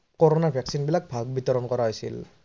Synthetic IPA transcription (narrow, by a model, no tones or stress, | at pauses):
kɔɹɔnaɹbʱaksinbilak̚bʱaɡ̚bit̪ɔɾɔnkɔɹaɦojsḭl